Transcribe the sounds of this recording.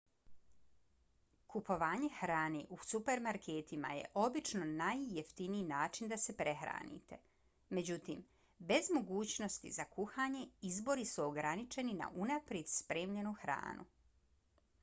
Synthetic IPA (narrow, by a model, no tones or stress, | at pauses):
kupo̞ʋaːɲe̞xɾaːneʔusupe̞ɾmaɾkʰeːt̪ima̰jḛʔo̞bit͡ʃno̞najːeft̪iniinaːt͡ʃind̪ase̞pɾe̞xɾa̰ːnḭt̪e̞ | me̞d͡ʑut̪iːm | be̞zmo̞ɡuːt͡ɕno̞st̪ḭzakuxaːɲe̞izbo̞ɾisuoɡɾanit͡ʃe̞nina̰ʔunapɾjed̪̥spɾeːmʎe̞nuxɾa̰ːnṵ